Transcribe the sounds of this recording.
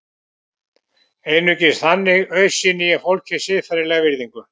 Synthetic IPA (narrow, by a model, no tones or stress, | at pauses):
ejnʏcɪsθanːɪɣœɥsinɪjɛfowlcʰɪ̥sɪðfaɾɪlɛɣvɪɾðiŋkʏ